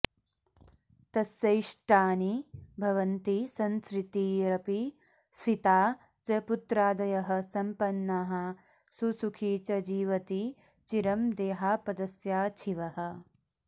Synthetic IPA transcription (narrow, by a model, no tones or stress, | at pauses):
t̪ɐsjɐjʂʈaːnibʱɐʋɐnt̪isɐnskɾɪt̪iɾɐpi | sʋit̪aː | t͡ʃɐput̪ɾaːd̪ɐjɐɦɐ̆sɐmpɐnːaːɦɐ | susukʰiːt͡ʃɐd͡ʒiːʋɐt̪i | t͡ʃiɾɐmd̪eːɦaːpɐd̪ɐsjaːt͡ʃʰiʋɐɦɐ̆